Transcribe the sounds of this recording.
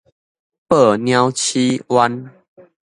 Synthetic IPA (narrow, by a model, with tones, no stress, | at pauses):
pə˥˨˩nj̃a˦wt͡ɕʰi˦wa˦n